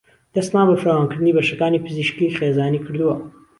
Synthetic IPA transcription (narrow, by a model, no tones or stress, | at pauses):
d̪̥ɐst̪naːbɐfɾawaːnkɨɾd̪ɨnibɐʃɐkaːnipɨziʃkixeːzaːnikɨɾd̪uwɐ